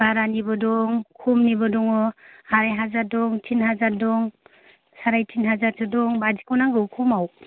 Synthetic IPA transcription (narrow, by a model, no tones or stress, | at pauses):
baɾanibɔdɔŋkʰumnibɔdɔŋɔaɾajɦazadɔŋtʰinhazadɔŋ | saɾajtʰinɦazaɾtʰɯdɔŋbadi̥kʰawnaŋɡɯwkʰumaw